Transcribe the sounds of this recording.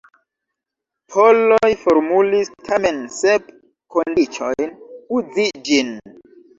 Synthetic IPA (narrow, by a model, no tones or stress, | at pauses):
pʰolojfoɾmulistʰame̞nsep | kondit͡ʃojnud͡zid͡ʒin